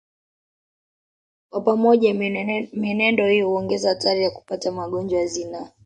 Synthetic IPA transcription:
kwapamɔʄaminɛndɔhijɔhuɔŋɡɛzahatʰaɾijaku̥patamaɠɔnd͡ʒwaazina

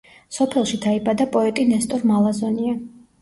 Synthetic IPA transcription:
sɔpʰɛlˠʃid̪̥aibad̪apʼɔɛt̪ʼinɛst̪ʼɔɾmalˠazɔnia

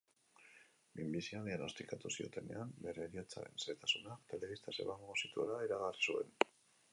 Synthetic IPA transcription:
bimbisiaðiano̞st̪ikat̪usio̞̰t̪e̞ne̞̰ambe̞ɾe̞ːɾiot͡sa̰ɾe̞nset̪asunakt̪e̞le̞βist̪ase̞̰βaŋɡosit̪uelaiɾaɣarisue̞̰n

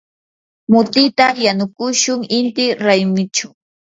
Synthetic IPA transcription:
mʊt̪ɪt̪ajanʊkʊʃʊŋɪnt̪ɪɾajmɪt͡ʃa

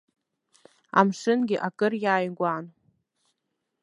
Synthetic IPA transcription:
a̰mʂɨnɡʲɪʔakʼɨrjaːjɡʷan

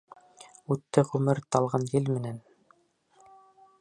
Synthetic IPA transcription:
ʉt̪ːɘʁʉmɘɾt̪ɑlˠʁɑnjɘlmɘ̆næn

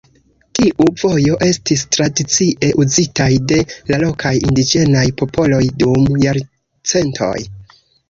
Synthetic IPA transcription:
tiʔuv̥o̞jo̞ʔe̞stis̬tɾadit͡siʔe̞ʔuzitajde̞lalo̞kʰajḭndid͡ʒe̞najpo̞pʰo̞lo̞jdumjaɾ | t͡se̞ntʰo̞̰j

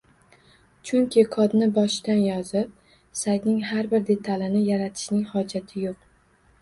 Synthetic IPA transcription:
t͡ʃʰʊŋkʲʰɪkʰɒd̪nɪbɒʃd̪anjɒzɪp̚ | sajt̪nɪŋhaɾbɪɾd̪e̞t̪ʰalɪnɪjaɾat̪ʰɪ̥ʃnɪŋhɒd͡ʒat̪ʰɪjoq̚

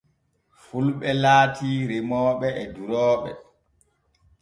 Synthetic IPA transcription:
fulɓɛlaːtiːɾemɔːɓɛɛduɾɔːɓɛ̰

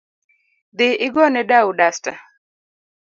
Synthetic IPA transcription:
d̪ɪɪɡɔnɛdaudasta

